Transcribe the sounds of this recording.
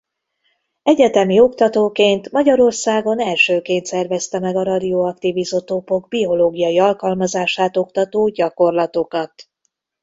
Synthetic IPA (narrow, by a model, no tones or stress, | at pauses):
ɛɟɛt̪ɛmio̞kt̪ɒt̪oːkeːnt̪mɒɟɒɾo̞rsaːɡo̞nɛlʃøːkeːnt̪sɛrvɛst̪ɛmɛɡɒɾɒd̪ioɒkt̪ivizo̞t̪opo̞ɡbio̞loːɡijɒjiɒlkɒlmɒzaːʃaːt̪o̞kt̪ɒt̪oːɟɒko̞rlɒt̪o̞kɒt̪